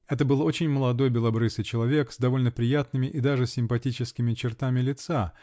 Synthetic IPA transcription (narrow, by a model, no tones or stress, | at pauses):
ɛt̪əbɨlˠo̞t͡ɕɪnʲməlˠɐd̪o̞jbʲɪlˠɐbɾɨsɨjt͡ɕɪlˠɐvʲekzd̪ɐvo̞lʲnəpɾʲɪjat̪nɨmʲɪʔid̪aʐɨsʲɪmpɐtʲit͡ɕɪskʲɪmʲɪt͡ɕɪrt̪amʲɪlʲɪt̪sa